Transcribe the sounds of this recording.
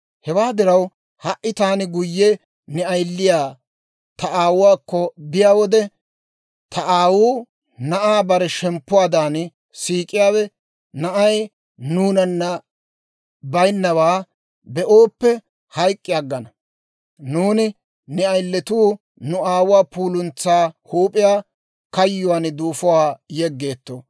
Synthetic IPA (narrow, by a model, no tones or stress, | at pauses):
hɛwaːd̪ɪɾɐw | hɐʔɪt̪aːnɪɡʊjːɛ | nɛɐjlːɪjaː | t̪ɐʔaːwʊwaːkːɔbɪjaːwɔd̪ɛ | t̪ʰɐʔaːwuː | nɐʔaːbɐɾɛʃɛmpːʊwaːd̪aːn | siːkʼːɪjaːwɛ | nɐʔɐj | nuːnɐnːɐ | bɐjnːɐwaː | bɛʔoːpːɛ | hɐjkʼːɪjɐɡːɐnɐ | nuːnɪ | nɛɐjlːɛt̪uː | nʊaːwʊwaːpuːlʊnt͡sːaːhuːpʼɪjaː | kɐjːʊwaːnd̪uːfʊwaːjɛɡːe̞ːt̪ːo̰ː